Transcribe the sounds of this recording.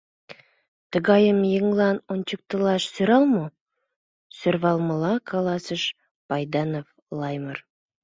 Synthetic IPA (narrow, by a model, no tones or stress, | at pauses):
t̪əɡɑjəmjəŋlˠɑnont͡ʃək̚t̪əlˠɑʃsɵɾɑlˠmə | sɵɾvɑlˠməlˠɑkʰalˠɑsəʃ | pɑjd̪ɑnof | lˠɑjmər